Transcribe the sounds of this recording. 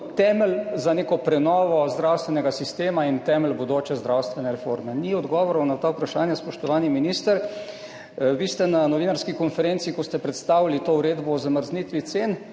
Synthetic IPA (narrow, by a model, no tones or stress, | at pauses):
t̪ɛməlzanekɔpɾɛnɔːʋɔzd̪ɾawst̪ʋɛnɛɡasist̪eːmaint̪ɛməlbod̪oːt͡ʃɛzd̪ɾawst̪ʋɛnɛɾɛfoɾmɛniɔd̪ɡɔːʋɔɾɐwnat̪aːupɾaʃaːnjaspɔʃt̪ɔʋaːniminist̪əɾ | ʋist̪ɛnanɔʋiːnaɾskikɔnfɛɾent̪siːkɔst̪ɛpɾɛt̪st̪aːʋilit̪ouɾeːd̪bɔɔzaməɾznit̪ʋit̪seːn